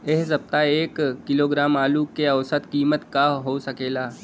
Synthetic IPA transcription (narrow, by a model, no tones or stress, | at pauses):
eɦsɐb̚t̪aeːkːɪloːɡɾaːmaːlukeɐʋsət̪kiːmət̪kaɦoːsɐkeːlaː